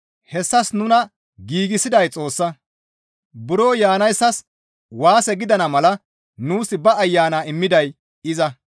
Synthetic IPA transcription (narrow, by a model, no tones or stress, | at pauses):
hɛsːɐsnʊnɐ | ɡiːɡɪsɪd̪ɐjt͡sʼo̞ːsːɐ | bʊɾoːjaːnɐjsːɐs | waːsɛɡɪd̪ɐnɐmɐlɐ | nuːsɪbɐːjːaːnaːɪmːɪd̪ɐj | ɪzɐ